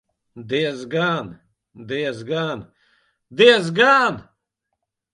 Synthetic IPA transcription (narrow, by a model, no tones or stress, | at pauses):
d̪ezɡaːn | d̪eːzɡaːn | d̪eːzɡaːn